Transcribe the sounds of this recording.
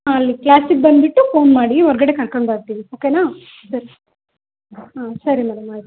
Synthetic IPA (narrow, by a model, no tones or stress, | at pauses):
aɐlːiklaːsik̚bɐnd̪biʈːufoːnmaːɽiɔɾɡɐɽe̞kɐɭkoɳɖbaːɾt̪iːʋioːkeːnaː | sɐɾi | aːsɐɾimɛɽɐmaːit̪